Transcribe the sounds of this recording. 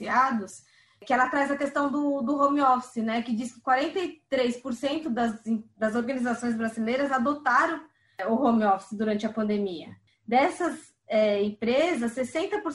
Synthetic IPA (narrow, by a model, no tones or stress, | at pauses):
iad̪ʊs | kɪɛlɐt̪ɾajzɐkest̪ɐ̃w̃d̪ʊd̪ʊɦõmiɔfsɪnɛkɪd͡ʒiskɪ̥kwaɾẽnt̪ɐjt̪ɾejspoɾsẽnt̪ʊd̪ɐzĩd̪ɐzoɾɡɐnizasõj̃zbɾazilejɾɐzad̪ot̪aɾɐ̃w̃ | ʊhõmiɔfsɪd̪uɾɐ̃nt͡ʃɪɐpɐ̃nd̪emiɐ̰ | d̪ɛsɐs | ɛẽpɾezɐsːesẽnt̪ɐpoɾ